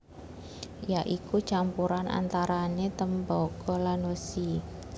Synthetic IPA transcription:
jaʔikut͡ʃampuɾanʔa̰nt̪aɾanet̪əmbɔɡɔlanəsi

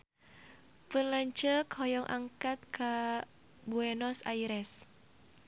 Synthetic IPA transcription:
pənlaɲt͡ʃəkhɔjɔŋʔa̰ŋkat̪̚ka | buɛnɔsaiɾɛs

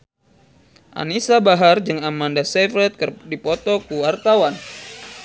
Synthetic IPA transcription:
ʔa̰nisabaɦard͡ʒɨŋamandasɛfɾɛt̪̚kdipɔt̪ɔkuwart̪awan

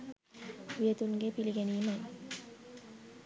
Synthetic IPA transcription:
ʋijət̪uŋɡepiliɡæniːmaj

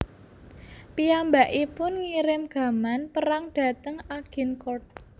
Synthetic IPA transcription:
piambaʔipʊnŋiɾɪmɡ̥ä̤manpəɾaŋɖ̥ä̤t̪əŋaɡ̥i̤nkɔt̪̚

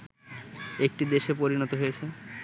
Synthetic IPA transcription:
ek̚ʈid̪eʃepoɾinɔt̪oɦojet͡ɕʰe

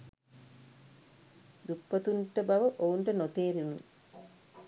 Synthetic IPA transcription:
d̪upːɐt̪uɳʈəbaʋəʔouɳʈənot̪eːɾinṵ

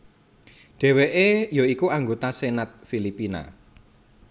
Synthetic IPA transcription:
ɖ̥ɛ̤weʔejɔikuaŋɡot̪asenat̪̚filipina̰

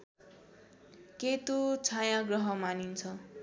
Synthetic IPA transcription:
ket̪ot͡sʰajãɡrʌɦʌmanint͡sʰʌ

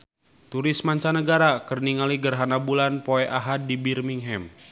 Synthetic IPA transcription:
t̪uɾismaɲt͡ʃanəɡaɾakərniŋaliɡərɦanabulanpoɛʔaɦat̪̚dibirmiŋɦɛm

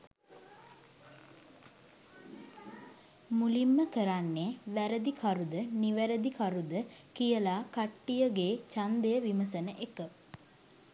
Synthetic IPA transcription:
mulimːəkəɾanːeʋæɾəd̪ikʰaɾud̪əniʋæɾəd̪ikaɾud̪əkijəlaːkaʈːijəɡeːt͡ʃand̪əjəʋiməsənəʔekə

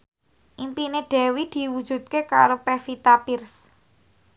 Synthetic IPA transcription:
ʔimpineɖ̥ɛ̤wid̪̥i̤wud̥ʒ̥ṳt̪̚keka̰ɾopefit̪apirs

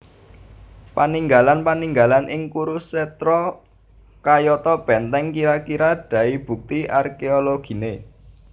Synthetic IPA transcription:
paniŋɡalanpaniŋɡalanʔɪŋkuɾuset̪ɾɔ | kajɔt̪ɔb̥ɛ̤nt̪ɛŋkiɾakiɾad̥ä̤ib̥ṳk̚t̪iarkeoloɡ̥i̤ne

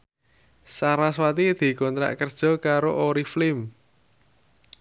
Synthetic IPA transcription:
saɾaswat̪id̪̥i̤kɔnt̪ɾa̰ʔkərd̥ʒ̥ɔ̤kaɾoʔoɾiflɪm

